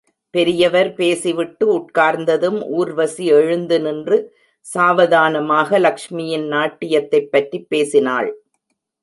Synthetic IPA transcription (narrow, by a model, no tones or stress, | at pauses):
pɛɾɪjɐʋɐɾpeːsiʋɪʈːɯʊʈ̚kaːɾnd̪ɐðɯmʔuːɾʋɐsiɛɻɯnd̪ɯnɪndrɯ | saːʋɐðaːnɐmaːɣɐlɐkʂmɪjɪnnaːʈːɪjɐt̪ːɐɪpːɐʈripːeːsɪna̰ːɭ